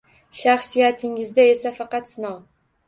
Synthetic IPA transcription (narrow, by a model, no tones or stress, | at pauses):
ʃaχsijat̪ʰɪŋɪzd̪ae̞safɑqɑt̪sɪnɒw